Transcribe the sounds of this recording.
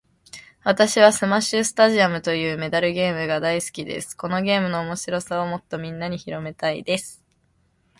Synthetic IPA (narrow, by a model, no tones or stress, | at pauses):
βat̪aɕiβ̞asɨmaɕɨsɨ̥t̪aʑiamɯ̟t̪o̞jɯ̟ːme̞d̪aɾɯ̟ɡe̞ːmɯ̟ɡad̪aisɨ̥kʲid̪e̞̰sɨ̥ko̞no̞ɡe̞ːmɯ̟no̞ːmo̞ɕiɾo̞sao̞mo̞t̪ːo̞mʲĩnːaɲ̟içiɾo̞me̞t̪aḭd̪e̞sɨ̥